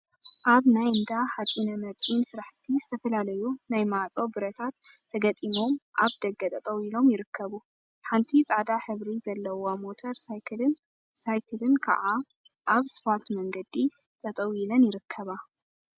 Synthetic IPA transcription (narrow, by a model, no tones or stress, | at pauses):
ʔaβnajɨnd̪aħazʼinɐmɐt͡sʼinsɨɾaħt̪ʰizɨt̪ʰɐfɐlalɐjunajmaʕat͡sʼo̞bɨɾɐt̪ʰat̪ːʰɐɡɐt͡s̪ʼimo̞mʔaβd̪ɐɡːɐt̪ʼɐt̪ʼɐwilo̞mjɪɾɨkʰːɐβu | ħant̪ʰit͡sʼaʕd̪aħɨβɾizɐlːɐwomo̞t̪ʰɐɾsajkʰɨlɨn | sajkʰɨlɨnkʰa̰ʕa | ʔaβsfalt̪mɐŋɡɐd̪it̪ʼɐt̪ʼɐwilɐnjɪɾɨkʰːɐβa